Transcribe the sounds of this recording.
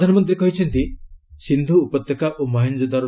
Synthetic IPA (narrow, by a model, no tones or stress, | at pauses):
d̪ʱanɔmɔnt̪̬ɾikɔɦit͡ʃʰɔnt̪isind̪ʱuːpɔt̪jɔkaʔomɔɦind͡ʒɔd̪aɾ